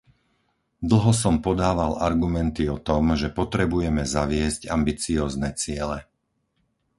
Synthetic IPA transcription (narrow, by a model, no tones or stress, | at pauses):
d̪l̩ˠɦɔs̬ɔmpɔd̪aːʋalaɾɡumɛnt̪iɔt̪ɔmʒɛpɔt̪ɾɛbujɛmɛzaʋɪɛzcambit͡siɔːznɛt͡sɪɛlɛ